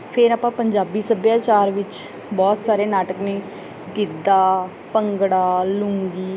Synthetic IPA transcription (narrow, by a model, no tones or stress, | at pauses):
pʰɪɾaːpãːpəɲd͡ʒaːbiːsəbjaːt͡ʃaːɾʋɪt͡ʃ | bɔːt̪saːɾeːnaːʈəkneː | ɡɪd̪aː | pəŋɡɽaːlʊ̃ːŋɡiː